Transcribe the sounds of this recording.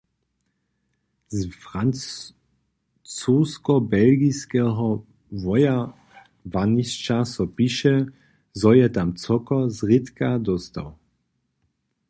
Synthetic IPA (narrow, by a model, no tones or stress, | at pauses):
zfʁan | t͡suːskɔbɛlɡiskɛɦɔ | vɔja | vanist͡ʃasɔpiʃɛ | zɔjɛt̪amt͡sɔkɔzʁit̪kad̪ɔst̪a̰w